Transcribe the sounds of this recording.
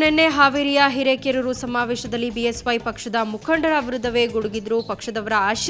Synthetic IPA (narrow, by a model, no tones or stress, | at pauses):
nenːeɦaːʋiɾijɐɦiɾeːkeɾɐɾusɐmaːʋɛːʃɐd̪ɐlːibiesʋɐjpɐkʂɐd̪ɐmukʰɐɳɖɐɾaʋiɾud̪ːɐʋeɡuɽuɡid̪ɾupɐkʂɐd̪ɐʋɐɾɐaːʃ